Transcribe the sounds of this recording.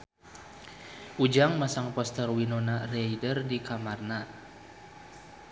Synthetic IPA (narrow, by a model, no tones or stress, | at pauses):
ʔud͡ʒaŋmasaŋpɔst̪ərwinɔnarɛjdərdikamarna